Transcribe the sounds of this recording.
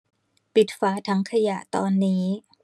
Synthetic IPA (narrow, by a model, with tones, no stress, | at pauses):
pi˨˩t̪̚faː˦˥t̪ʰa˦˥ŋkʰa˧ja̰˨˩ʔt̪ɔː˧nːiː˦˥